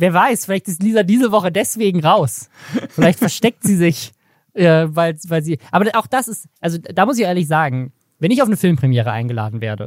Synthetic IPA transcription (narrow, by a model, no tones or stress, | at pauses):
veːɐvaɪsfɪlaɪçtɪstliːzadiːzəvɔχədɛsv̥eːɡŋ̩ʁaʊsfɪlaɪçtfɛɐʃtɛk̚tz̥iːzɪç | ʔɛvaɪlsvaɪlziːʔaːbɐʔaʊxd̥asɪstʔalzod̥aːmʊs̬ɪçaʔeːɐlɪçz̥aːɡŋ̩ | vɛnɪç̬aʊfnəfɪlmpʁ̥imjɛːʁəʔa̰ɪnɡəla̰ːdn̩vḛːɐdə̰